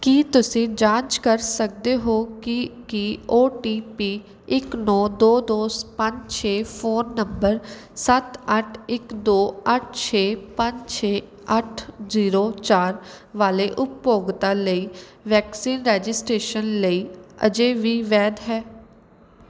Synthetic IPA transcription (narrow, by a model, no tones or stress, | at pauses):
kiːt̪ʊsĩːd͡ʒãːnt͡ʃkəɾsək̚d̪eːɦoːkikioːʈiːpiː | ɪknɔːd̪oːd̪oːspəɲd͡ʒt͡ʃʰeːpʰoːnːəmbəɾsət̪əʈʰɪkd̪oːəʈ̚ʰt͡ʃʰeːpə̃ɲd͡ʒt͡ʃʰeː | əʈʰziːɾoːt͡ʃaːɾ | ʋaːleːʔʊpjoːɡt̪aːləiːʋɛːksiːnɾɛːd͡ʒɪsʈɾeːʃənləiːə̰d͡ʒeːʋiːʋɛːd̪ɦɛː